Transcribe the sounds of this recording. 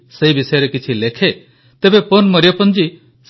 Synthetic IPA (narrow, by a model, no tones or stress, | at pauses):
sejbisʌjaɾekit͡ʃʰilekʰe | t̪ebeponmʌɾjʌpʌnd͡ʒi | s